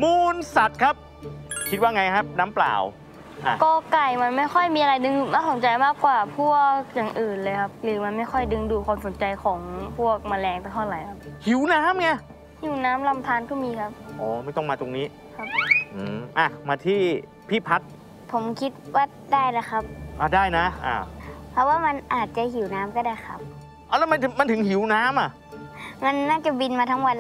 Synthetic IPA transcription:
muː˧nsa˨˩t̪̚kʰa˦˥p̚ | kʰi˦t̪̚waː˥˩ŋa˧jkʰa˦˥p̚naː˦˥mpla̰ː˨˩w | ʔa˨˧kɔː˧˩ka˨˩jma˧nma˥˩jxʰɔ˥˩jmiː˧ʔa˧a˧jdɯ˧ŋɯ˧˩maː˧˩so˨˦nt͡ɕa˧jmaː˥˩kːwaː˨˩pʰu˥˩ək̚jaː˨˩ŋʔɯː˨˩nlɤː˧jkʰa˦˥p̚lɯː˩˦ma˧nma˥˩jxʰɔ˥˩jdɯ˧ŋduː˧kʰwaː˧mso˩˦nt͡ɕa˧jkʰɔː˩˦ŋpʰu˥˩ək̚maː˧lɛː˧ŋpa˧nɦʰɔ˧˩la˨˦jkʰa˦˥p̚hʰi˨˩˦wnaː˦˥mŋa˧ | hi˩˦wnaː˦˥mla˧mt̪ʰaː˧˥nkʰɔ˥˩miː˧kʰa˦˥p̚ʔoː˨˦ma˥˩jt̪ɔ˥˩ŋmaː˧t̪o˧ŋniː˦˥ | kʰa˦˧˥p̚ʔɯː˧˩ʔa˧˩maː˧t̪ʰiː˥˩ | pʰiː˥˩pʰa˦˥t̪̚ | pʰo˩˦mkʰi˦˥t̪̚waː˧˥˩ | daː˥˩jla˧˥xʰa˦˥p̚ʔa˧˩daː˥˩jna˦˥ʔa̰ː˧˩pʰɔ˧˦˥waː˥˩ma˧nʔaː˨˩t̪̚t͡ɕa˨hi˨˩˦wnaː˦˥mkɔː˧˩daː˥˩jxʰa˧˦˥p̚ | ʔa˧˨˩lɛː˦˥wma˧˥nɯ˨˩ma˧˥˨nt̪ʰɯ˩˦ŋhi˨˦wnaː˦˥mʔa˨˩ | ma˧nːaː˥˩t͡ɕa˨˩bi˧nmaː˧t̪ʰa˦˥ŋwa˧nl

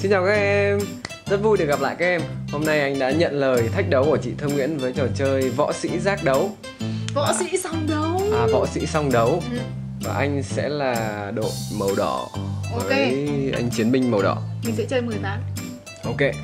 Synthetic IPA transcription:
si˧nt͡ɕaː˨˩wkaː˦˥ʔɛ˧m | zə˦˥t̚vu˧jɗəɣa˨p̚la̰ː˧˨jkaː˦˥ʔ̚ɛ˧mho˧mna˧jʔa˧jŋ̟ɗa̰ː˧˥ɲə̰˧˨nləː˨˩jt̪ʰa˦˥jk̚ɗə˨˦wku˧˩t͡ɕḭ˧˨t̪ʰɨ˧ŋwḭ˧˥ənvəː˨˦jt͡ɕə˨˩t͡ɕəː˧jvɔ̰˧˥sḭ˧˥zaː˦˥k̚ɗə˨˦w | vɔ̰˧˥sḭ˧˥sɔ˧wŋ͡mɗə˨˦wwaː˨˩vɔ̰˧˥sḭ˧˥sɔ˧wŋ͡mɗə˨˦w | vaː˨˩ʔa˧jŋ̟sɛ̰˧˥laː˨˩ɗo̰˧˨t̚mə˨˩wɗɔ̰˧˩ovəː˨˦e˦˧jʔa̰˧jŋ̟t͡ɕi˨˦ənmï˧ŋ̟mə˨˩wɗɔ̰˧˩mi˨˩t̪ɨ̰˧˥t͡ɕəː˧jmɨ˨˩əjma̰ː˧˨n | ʔo˧ke˧

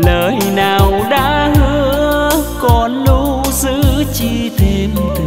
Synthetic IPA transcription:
ləː˨˩jnaː˨˩wɗa̰ː˧˥hɨ˧˥˦əəkɔ˨˩nlu˧˥zɨ˧˥t͡ɕi˧t̪ʰe˧m˨˩

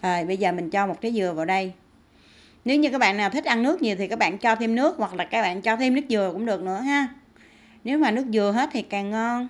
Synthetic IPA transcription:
ʔəː˨˩jɓə˧jzəː˨˩mï˨˩ŋ̟t͡ɕɔ˧mo˨˩t̚kaː˨˦jzɨ˨˩əvaː˨˩wɗə˧j | ne˨˦wɲɨ˧kaː˦˥k̚ɓa̰ː˧˨naː˨˩t̪i˦˥k̟̚ʔa˧nːɨ˦˥ək̚ɲi˨˩ət̪ʰi˨˩kaː˦˥kɓa̰ː˧˨nt͡ɕɔ˧t̪ʰi˧mnɨ˦˥ək̚hwa˨˩k̚laː˨˩kaː˦˥k̚ɓa̰ː˧˨nt͡ɕɔ˧t̪ʰi˧mnɨ˦˥ək̚zɨ˨˩əkʊ̰˧˥ŋ͡mɗɨ˨˩ək̚nɨ̰˧˥əɦaː˧ | ne˨˦wmaː˨˩nɨ˦˥ək̚zɨ˨˩əɦe˦˥t̚t̪ʰi˨˩kaː˨˩ŋŋɔ˧n

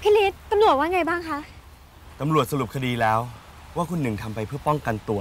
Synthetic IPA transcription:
pʰi˦˥liː˦˥t̪ːa˧mlu˨˩ət̪̚waː˥˩ŋa˧jbaː˥˩ŋkʰa˦˥ʔ | t̪a˧mɾu˨˩ət̪̚sa˧ɾu˨˩p̚kʰa˧diː˧lɛː˦˥w | waː˥˩kʰu˧nːɯ˨˩ŋt̪ʰa˧mpa˧jpʰɯ˥˩ɐpɔ˥˩ŋka˧nt̪u˧˩ɐ

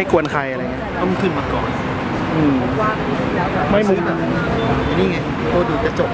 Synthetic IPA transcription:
a˥˩jku˧ənkʰa˧jʔa˧ɾa˧ŋi˦˥ɐt̪a˧˥˩ŋ˧t̪ʰɯ˧˥˩nmaː˧˩kɔ̰ː˨˩n | ʔɯː˧˩˧ | ma˥˩jmuː˧˦˥na˧˩ʔɯː˧˩˧a˧˩niː˥˩ŋa˧˩j | t̪oː˧duː˧˩t͡ɕa˨˩t͡ɕo˨˩p̚

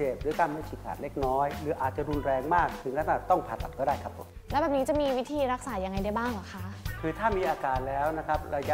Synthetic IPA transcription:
eː˨˩p̚ɾɯː˨˩˦kaː˧nma˦˥t̪t͡ɕʰiː˧˩ka̰ː˨˩n̚le˦˥˩k̚nɔː˦˥jɾɯː˩˦ʔaː˨˩t̪̚t͡ɕa˨˩ɾu˧nɾɛː˧ŋmaː˥˩k̚t̪ʰɯ˩˦ŋlɛː˦˥˩t̪aː˧˩t̪ɔ˥˩ŋpʰaː˧˩t̪a˨˩t̪̚kɔː˥˩daː˥˩jkʰa˦˥pʰːo˩˦m | lɛ˦˥bɛː˨˩p̚niː˦˥t͡ɕa˨˩miː˧wi˦˥t̪ʰiː˧ɾa˦˥k̚saː˩˦ja˧ŋːa˧jda˥˩jbaː˥˩ŋlɔ˨˩kʰa˦˥ʔkʰɯː˧t̪ʰaː˥˩miː˧ʔaː˧kaː˨˩nlɛː˦˥wna˦˥kʰa˦˥p̚ɾa˧ja˦

